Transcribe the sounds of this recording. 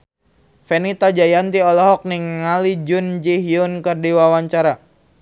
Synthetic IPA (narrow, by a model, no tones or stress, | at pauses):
fɛnit̪ad͡ʒajant̪iɔlɔɦɔk̚niŋːalid͡ʒʊnd͡ʒiɦiunkərdiwawaɲt͡ʃaɾa